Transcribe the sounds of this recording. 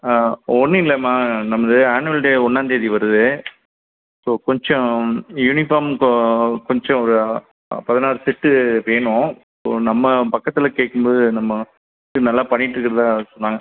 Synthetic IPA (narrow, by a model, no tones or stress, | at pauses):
ɔnːɯɪlːɐmaːnɐmːɐðɯaːnɯɐlʈeːɔnːaːnd̪ieːðiʋɐɾɯðɯ | soːkɔɲd͡ʒɔ̃junɪfaːɾm | kɔɲd͡ʒɔ̃ɔɾɯ | pɐðɪnaːɾɯsɪʈːɯʋeːɳʊ̃ | so̰ːnɐmːɐpɐkːɐt̪ːɪlɐkeːʈkːɯmboːðɯnɐmːɐ | ɪʈːɯnɐlːaːpɐɳːɪʈːɪɾɯkːɯɾɐðãːsɔnːaːŋɡɐ